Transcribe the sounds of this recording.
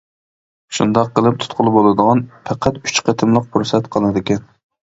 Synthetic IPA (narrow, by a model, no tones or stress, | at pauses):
ʃund̪ɑqːəlˠɨp̚t̪ʰʊ̥t̪qʰʊlˠbolˠɨd̪əʁɑnpʰæqʰæt̪y̥t͡ʃqʰət̪ʰɨmlˠəq̚pʰuɾsɛt̪qʰəlˠɨd̪ɪkʲɛn